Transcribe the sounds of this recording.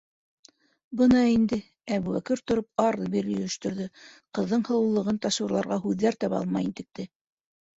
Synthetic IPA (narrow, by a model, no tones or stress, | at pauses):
bɤnɑind̪ɘ | æβuwækɘɾt̪ŏɾop̚ɑɾˠɤbiɾj̆ɵ̆jɘ̆ʃt̪ɵ̆ɾðɘqɤ̆ðːɤɴhɤ̆ɤ̆lˠːɤ̆ʁɤnt̪ɑʃuɾlˠɑɾʁɑɦʉðːæɾt̪ɑβɑ̰lˠmɑ̰jint̪ɘ̆k̚t̪ɘ